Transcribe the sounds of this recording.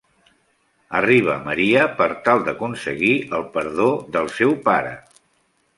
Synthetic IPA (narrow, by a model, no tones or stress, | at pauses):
əriβ̞əməɾiəpəɾt̪alˠd̪əkunsəɣiəlˠpəɾðoðəlˠsɛwpaɾə̰